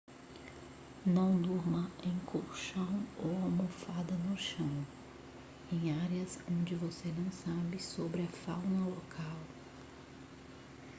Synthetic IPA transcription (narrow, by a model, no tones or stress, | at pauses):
nɐ̃w̃d̪uɾmɐẽj̃kʰowʃɐ̃w̃owawmofad̪ɐnʊʃɐ̃w̃ | ẽj̃aɾjɐsõnd͡ʒɪvosenɐ̃w̃sabɪsobɾɪɐfawnɐlɔkʰaw